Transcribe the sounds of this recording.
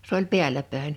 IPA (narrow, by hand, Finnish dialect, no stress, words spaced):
s oːlʲ pi̞ælʲæ pæˑen